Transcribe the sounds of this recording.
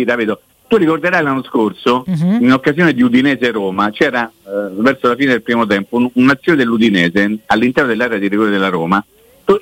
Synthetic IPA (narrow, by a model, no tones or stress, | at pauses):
it̪apiːd̪o | t̪urikord̪eɾajlanːoskorsoinokːazjoːned̪iud̪inɛːzeɾoːmat͡ʃɛːɾavɛrsolafiːned̪elpɾiːmot̪̬ɛmpounnat̪sːjoːned̪elːud̪inɛːzealːint̪ɛɾnod̪elːaːɾead̪iɾiɡɔːɾed̪elːaɾoːma | t̪u